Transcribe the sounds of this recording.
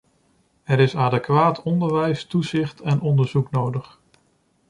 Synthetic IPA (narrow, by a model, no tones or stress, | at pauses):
ɛɾɪsaːdəkʋaːtʰɔndəɹʋɛjstuzɪχtɛnʔɔndəɹzuknowdəχ